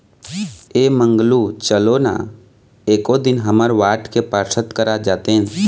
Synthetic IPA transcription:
eːmə̃ŋɡlut͡ʃəlona̰ | eːkod̪ɪnɦəməɾʋaːʈʰkepaːɾsʰət̪kəɾad͡ʒaːt̪eɦɛ̃

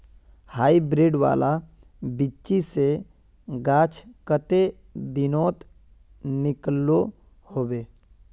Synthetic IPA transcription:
haːibɾeːɖʋa̰ːla | bɪt͡ʃise | ɡaːt͡ʃʰkət̪e | d̪ɪnɔːt̪ | nɪklo | hoːbeː

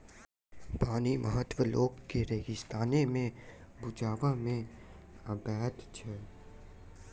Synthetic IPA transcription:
paːnimʔəɦət̪ʋəloːɡkeɾeːɡɪst̪aːnemẽ | bʊd͡ʒaːʋamẽ | əbɛːd̪t͡ʃʰɛ

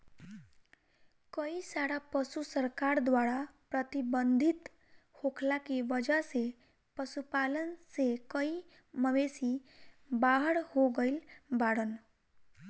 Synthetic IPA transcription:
kəisaɾapəsusəɾkaɾd̪waɾapɾət̪ibənd̪ʱit̪ | hokʰlakeʋəd͡ʒəse | pəsupalənsekəi | məʋesi | baɦəɽhoɡəɪlbaɽən

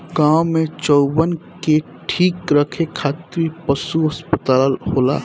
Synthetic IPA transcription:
ɡãːwmẽt͡ʃɔːbənke | ʈʰiːkɾəkʰekʰaːt̪ɾipəsuɦɐspət̪aːlɦoːla̰ː

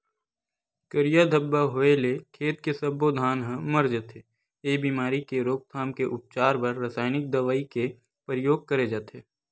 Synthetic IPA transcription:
kəɾijad̪ʱɐbːaɦoelekʰeːt̪kesɐbːoːd̪ʱaːnɦə̃məɾd͡ʒət̪ʰe | eːbiːmaːɾikeɾoːk̚t̪ʰaːmkeʔʊp̚t͡ʃaːɾbɐɾːəsaːɪnɪk̚d̪ɐʋaːike | pɾɪjoːɡ̚kɐɾed͡ʒaːt̪eː

